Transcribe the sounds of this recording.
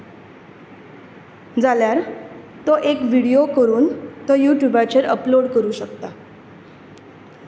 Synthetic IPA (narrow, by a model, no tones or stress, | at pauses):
d͡zaljaɾ | t̪ɔʔekʋiɽiokəɾuːnt̪ɔjuʈjubat͡ɕeɾəploɽkəɾuːɕəkt̪a